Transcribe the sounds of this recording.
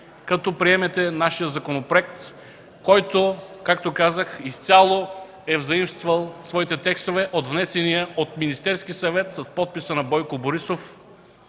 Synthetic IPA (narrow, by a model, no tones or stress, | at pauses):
kɐt̪ɔpɾiɛmɛt̪ɛnaʃijəzɐkonopɾoɛk̚t̪ | kɔjt̪okak̚t̪okazəxist̪ʲalˠo | ɛvzɐimst̪vəlˠsvɔit̪ɛt̪ɛkst̪ovɛʔod̪vnɛsɛniəot̪minist̪ɛɾsk̟isɐvɛt̪sɐspɔt̪̚pisənɐbɔjkoboɾisof